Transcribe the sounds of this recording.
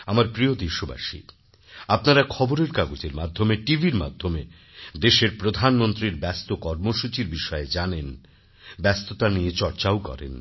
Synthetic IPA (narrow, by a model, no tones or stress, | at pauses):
amaɾpɾiod̪iʃoba̰ʃḭ | apnaɾakʰɔboɾeɾkaɡod͡ʑeɾmad̪ʱːomeʈibʱiɾma̰d̪ʱːome | d̪eʃeɾpɾod̪ʱanmont̪ɾiɾbɛst̪okɔɾmoʃut͡ɕiɾbiʃɔed͡ʑanen | bɛst̪ot̪anijet͡ɕɔɾt͡ɕaokɔ̰ɾḛn